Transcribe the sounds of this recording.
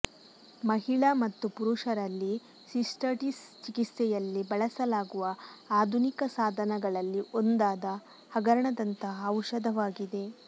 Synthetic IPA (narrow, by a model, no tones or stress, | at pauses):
mɐɦiɭɐmɐt̪ːupuɾuʂɐɾɐlːi | sisʈɐʈist͡ʃikisɛjɐlːibɐɭɐsɐlaːɡuʋɐaːd̪ʱunikɐsaːd̪ʱɐnɐɡɐɭɐlːiʔond̪aːd̪ɐ | hɐɡɐɾɐɳɐd̪ɐnt̪ɐɦɐːwʂɐd̪ɐʋaːɡid̪e̞